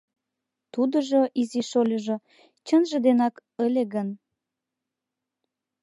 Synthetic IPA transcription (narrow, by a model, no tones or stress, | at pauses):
t̪ud̪ə̆ʒoʔiziʃolʲəʒo | t͡ɕənʒə̆d̪enɑkəlʲeɣən